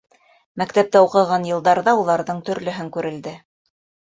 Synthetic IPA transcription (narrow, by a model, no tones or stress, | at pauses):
mækt̪æp̚t̪æuqɤ̆ʁɑnjɤ̆lˠd̪ɑɾðɑulˠɑɾðɤɴt̪ɵ̆ɾlɵ̆ɦɘŋkʉɾɘ̆ld̪ɘ